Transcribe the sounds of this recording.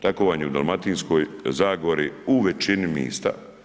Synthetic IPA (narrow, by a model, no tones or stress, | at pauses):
t̪akoʋaɲeud̪alˠmat̪iːnsko̞ːjzaːɡoɾiuʋet͡ʃinimḭːst̪a̰